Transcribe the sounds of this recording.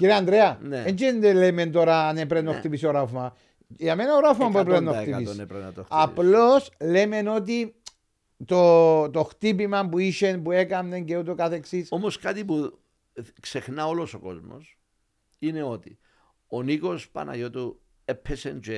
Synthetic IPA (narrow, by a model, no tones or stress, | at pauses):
ciɾeand̪ɾeɐnent͡ʃend̪eleme̞nt̪oɾaːnepɾenːoxt̪ipisoɾafma | jame̞naoɾafmamueɾenːok̪iisɾt̪otaplo̞sle̞me̞no̞t̪̬i | t̪ot̪oxt̪ip̬imɐmpuiʃe̞npue̞kamne̞ŋceut̪okaθeksisomoskat̪ipu | ksexnao̞lo̞soko̞̰zmo̰s | ine̞ot̪i | oniko̞spa̰na̰jot̪u | epʰːesend͡ʒue